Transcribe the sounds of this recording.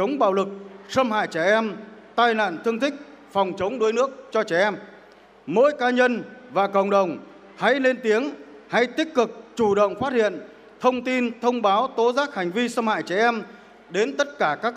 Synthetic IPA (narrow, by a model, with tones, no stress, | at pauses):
t͡ɕə˨˦wŋ͡mɓa̰ː˧˨wlɨ˨˩k̚sə˧mha̰ː˧˨jt͡ɕɛ˧˩ʔɛ˧mt̪aː˧jna̰ː˧˨nt̪ʰɨ˧əŋt̪ʰï˦˥k̟̚ | fɔ˨˩wŋ͡mt͡ɕə˨˦wŋ͡mɗu˨˦jnɨ˦˥ək̚t͡ɕɔ˧t͡ɕɛ˧˩ʔɛ˧m | mo̰˧˥jkaː˨˧ɲə˧nvaː˨˩kə̰˧˨wŋ͡mɗə˨˩wŋ͡m | ha̰˧˥jle˧nt̪i˨˦əŋ | ha˧˩jt̪ï˦˥k̟̚kɨ˨˩k̚t͡ɕu˧˩ɗə̰˧˨wŋ͡mfaː˦˥t̚hḭ˧˨ən | t̪ʰə˧wŋ͡mt̪i˧nt̪ʰə˧wŋ͡mɓaː˨˦wt̪o˨˦zaː˦˥k̚ha˨˩ŋ̟vi˧sə˧mha̰ː˧˨jt͡ɕɛ˧˩ʔɛ˧m | ɗe˨˦nt̪ə˦˥t̚kaː˧˩kaː˦˥k̚